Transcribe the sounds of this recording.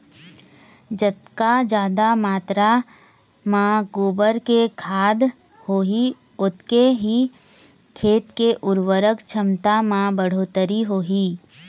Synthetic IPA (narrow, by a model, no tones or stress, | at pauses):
d͡ʒət̪kad͡ʒaːd̪amaːt̪ɾa | mãɡoːbəɾkekʰaːd̪ | hoːɦi | ʊt̪keɦi | kʰeːt̪keʔʊɾʋəɾəkt͡ʃʰəmt̪amãbəɽ̤oːt̪əɾiɦoːɦiː